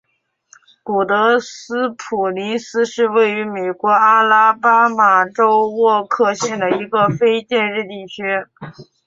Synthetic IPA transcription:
ku˨˩t̪ɤ˧˥sɹ̩˥pʰu˨˩li˧˥sɹ̩˥ʂɻ̩˥˧we˥˩ɪy˧˥me˨˩ɪkwɔ˧˥a˥la˥pa˥ma˨˩ʈ͡ʂo˥ʊwɔ˥˧kʰɤ˥˧ɕjɛ˥˩nd̪ə˩i˧˥ɡə˧fe˥ɪt͡ɕjɛ˥˧nɻɻ̩˥˧t̪i˥˩t͡ɕʰy˥

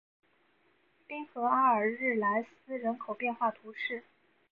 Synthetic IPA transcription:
pi˥ŋxɤ˧˥a˥ə˞˨˩ɻɻ̩˥˩la˧˥ɪsɹ̩˥ɻə˧˥nkʰo˨˩ʊpjɛ˥˧nxwa˥˩t̪ʰu˧˥ʂɻ̩˥˩

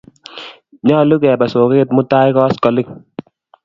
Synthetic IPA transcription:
ɲɔ˦˨lu˦kɛ˨ba˨so˨keː˦tmʊ˦ta˦jkɔ˦skɔ˨lɪ˦k̚

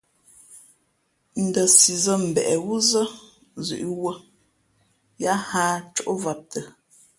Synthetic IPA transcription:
n̩˨də˨si˨zə˦m̩˨bɛ˨ʔɛ˨wu˦zə˦ | zʉ̰˨ʔi˦wə˦ | ja˦haː˦t͡ʃo˦ʔo˦va˨p̚tʰə˨

